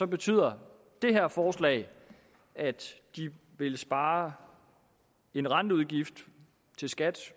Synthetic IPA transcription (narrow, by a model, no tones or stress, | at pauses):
sɒ̽b̥e̝t͡sʰy̰ð̰ˠɐ | d̥e̝ɦæɐ̰fɒːslɛ̰ɪ | æd̥d̥i | ʋe̝lsb̥ɑ̈ː | e̝nʁɑ̈nd̥əuðˠɡ̥ifd̥ | t͡sʰe̝lsɡ̥æd̥